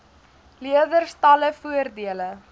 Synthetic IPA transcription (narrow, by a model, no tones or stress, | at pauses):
liədərstɐləfuərdiələ